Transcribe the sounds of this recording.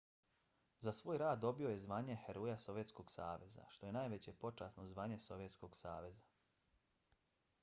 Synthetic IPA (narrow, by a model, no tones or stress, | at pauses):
zasʋoːjɾaːd̪ːo̞bio̞je̞zʋaːɲe̞heɾoːjaso̞ʋje̞t̪sko̞ɡsaːʋe̞za̰ʃt̪o̞je̞naːjʋe̞t͡ɕe̞po̞t͡ʃaːsnozʋaːɲe̞so̞ʋje̞t̪sko̞ɡsa̰ːʋe̞za